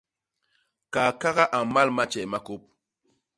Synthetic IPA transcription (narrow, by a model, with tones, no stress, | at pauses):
ka˨ka˦ɣa˦ʔa˨ma˦lma˦t͡ʃɛ˨ma˦ko˦p̚